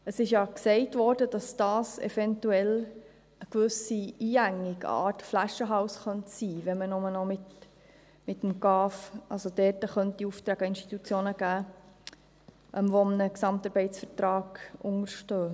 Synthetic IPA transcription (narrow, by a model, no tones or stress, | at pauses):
əsɪʃjɑksɛɪtʋɔːɾd̥əd̥ɑsd̥ɑːsɛ̰fɛntuɛl | əkʋʉsiiːæŋːɪɡɑ̰ːtflæʃəɦɑʊsχœntsiːʋɛmənʊmənɔmɪt | mɪtmɡɑːfʔɑ̰lsod̥ɛːtəχœntiuft̪ɾæːɡ̥əɪnʃti̥t̪ut͡sjoːnəɡ̥æː | ʔɛmvɔmənəksɑmtɑɾbɛɪtsfəɾtɾɑːɡ̥ʔʊŋəɾʃtøː